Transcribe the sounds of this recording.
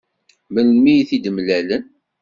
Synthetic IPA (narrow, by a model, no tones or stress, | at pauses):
məlmijθid̪əmlælən